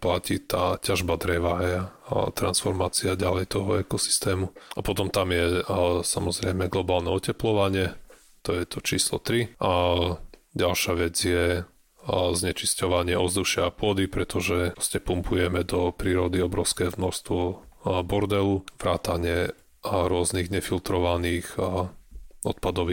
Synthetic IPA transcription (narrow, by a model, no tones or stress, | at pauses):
placit̪aːcaʒbad̪ɾɛʋajat̪ɾansfɔɾmaːt͡siaɟalɛjt̪ɔɦɔɛkɔsi̥st̪ɛːmuapɔt̪ɔmt̪amjɛsamɔzɾɛjmɛɡlɔbaːlnɛɔcɛplɔʋaɲɪɛ | t̪ɔjɛt̪ɔt͡ʃiːslɔt̪ɾiʔa | ɟalʃaʋɛd͡zjɛ | zɲɛt͡ʃiscɔʋaɲɪɛɔzd̪uʃɪaːpʊɔd̪ipɾɛt̪ɔʒɛɾɔscɛpumpʰujɛmɛd̪ɔpɾiːɾɔd̪iɔbɾɔʊskɛːvnɔɾst̪ʋɔbɔɾd̪ɛluʋɾaːt̪aɲɪɛ | ɾʊɔzniːɣɲɛfilt̪ɾɔʋaniːx | ɔt̪̚pad̪ɔʋi